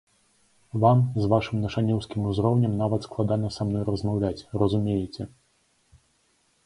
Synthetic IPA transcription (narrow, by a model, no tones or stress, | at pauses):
vamzvaʂɨmnɐʂanʲɛwskʲimuzɾɔwnʲɐmnavɐt̪sklˠad̪anɐsamnɔjɾɐzmawlʲat͡sʲrɐzumʲejɛt͡sʲɛ